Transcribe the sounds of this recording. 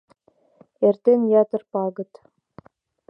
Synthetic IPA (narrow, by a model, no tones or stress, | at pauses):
ert̪enjɑt̪ɤ̆rpɑɡɤ̆t̪